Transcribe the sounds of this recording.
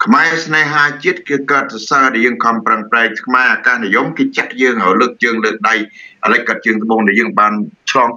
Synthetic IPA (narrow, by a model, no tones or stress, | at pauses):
kʰmaɛsnaːɦaːt͡ɕiət̪̚kɨːkaət̪̚sasaːɗajəːŋkʰɑmpraŋpraɛk̚tʰmaɛʔaːkaːhnijomkeːt͡ɕaʔjəːŋhawləːk̚t͡ɕəːŋləːk̚ɗajʔaləc̚kːaət̪̚t͡ɕəːŋt̪ə̆ɓoːŋɗaɛjəːŋɓaːnt͡ɕʰlɑːŋ